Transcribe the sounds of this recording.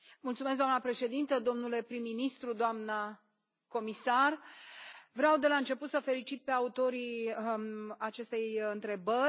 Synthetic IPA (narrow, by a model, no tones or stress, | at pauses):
mult̪sumes̬d̪amnəpɾe̞ʃe̞d̪int̪əd̪o̞mnule̞pɾimːinist̪ɾud̪oamnə | ko̞misar | vɾeawd̪e̞laɨnt͡ʃe̞put̪səfe̞lit͡ʃit̪̚pe̞aut̪o̞ɾi | at͡ʃe̞st̪e̞jjɨnt̪ɾe̞bə